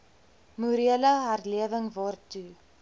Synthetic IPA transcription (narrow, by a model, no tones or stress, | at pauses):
muɾiələɦɐrliəvəŋvɑːrtu